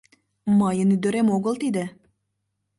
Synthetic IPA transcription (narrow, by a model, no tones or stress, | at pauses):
mɑjənyd̪ø̆ɾemoɣəlt̪id̪ə̆